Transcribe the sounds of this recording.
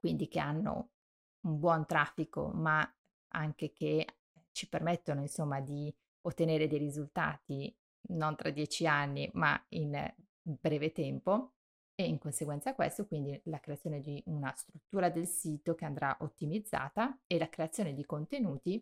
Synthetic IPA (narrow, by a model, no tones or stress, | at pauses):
kwind̪ik̟eanːo̰ | umbwɔnt̪ɾafːiko̰ma | a̰ŋk̟ekʰe | t͡ʃipermɛt̪ːonoinsomːad̪i | ot̪ːeneːɾed̪ejɾizult̪a̰ːt̪i | nont̪ɾad̪jɛt͡ʃianːima̰in | bɾɛːvet̪ɛmpo | eiŋkonseɡwɛnt̪sakːwḛst̪okwind̪ilakɾeat̪sːjoːned̪iunast̪ɾut̪ːuːɾad̪elsiːt̪ok̟eand̪ɾaʔot̪ːimid̪zːa̰ːt̪aelakɾeat̪sjoːned̪ikont̪enuːt̪i